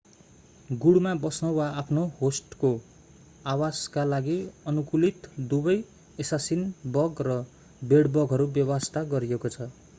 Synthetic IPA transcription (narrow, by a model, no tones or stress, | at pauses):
ɡuɽmabʌsnʌwaapʰnohosʈko | awaskalaɡiʌnukulit̪d̪ubʌj | esasinbʌɡrʌ | beɽbʌɡɦʌɾubjʌbʌst̪ʰaɡʌɾijekot͡sʰʌ